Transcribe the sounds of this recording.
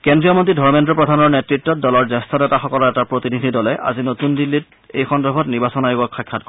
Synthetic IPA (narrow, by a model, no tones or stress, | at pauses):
kendɹiɔmɔntidʱɔɹmɛntɹɔpɹɔdʱanɔɹnɛtɹitːɔt̚dɔlɔɹzɛstʰɔtɛtaxɔkɔlɔɛtapɹotinidʱidɔlɛʔa̰zinotundilːit̚ | ejxɔndɔɹbʱɔtniɹbasɔnajoɡɔkʰːɔjkʰːatk